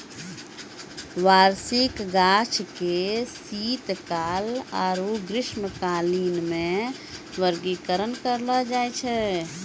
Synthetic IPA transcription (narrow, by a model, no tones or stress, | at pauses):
ʋaɾsikɡat͡ʃʰkesit̪kaːla̰ːɾoɡɾɪʃməkaːliːnmẽ | ʋəɾɡikəɾənkəɾlɔd͡ʒajt͡ʃʰɛ